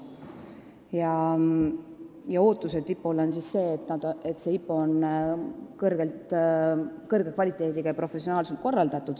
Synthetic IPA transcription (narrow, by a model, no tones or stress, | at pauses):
jɑ | jɑo̞ːt̪ːˑuset̪ipːˑolonsisse̞ːt̪nɑd̪̥e̞t̪se̞ipːˑon | kɤrɡ̥e̞lt̪ | kɤrɡ̥ekvɑlʲit̪ːˑe̞ːd̪iɡ̥ɑjɑpro̞fe̞sio̞nɑːlse̞lt̪̚ko̞rːɑld̪̥ɑt̪ːˑud̪̥